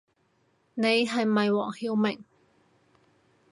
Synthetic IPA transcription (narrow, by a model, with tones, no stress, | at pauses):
ne˨˧jɦɐ˨jmɐ˨jwɔ̰ː˨˩ŋhiː˧wmɪ˨˩ŋ